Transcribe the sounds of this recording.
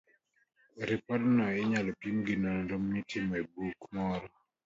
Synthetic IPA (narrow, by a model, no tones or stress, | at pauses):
ɾɪpɔdnɔɪɲalɔpimɡɪnɔnɾomnitʰɪmɔebukmɔɾɔ